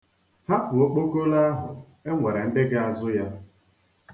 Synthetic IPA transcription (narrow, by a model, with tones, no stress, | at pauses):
ha˦kʊ˨o˦k͡po˦ko˦la˦ɦʊ˨ | e˦ŋʷe˨ɾe˨n̩˦dɪ˦ɡa˦a˦zʊ˦ja˦